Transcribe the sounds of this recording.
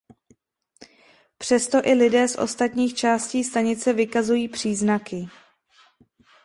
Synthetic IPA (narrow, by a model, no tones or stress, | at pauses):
pr̝̥ɛst̪o̞ʔɪlɪdɛːsʔo̞̰st̪at̪ɲiːxt͡ʃaːsciːst̪aɲɪt͡sɛvɪkazujiːpr̝̥iːznakɪ